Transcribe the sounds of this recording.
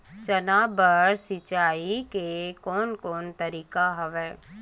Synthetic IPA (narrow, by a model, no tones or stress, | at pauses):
t͡ʃɐnaːbəɾsɪt͡ʃaːikekɔːnkɔːnt̪əɾiːkaɦɐʋɛː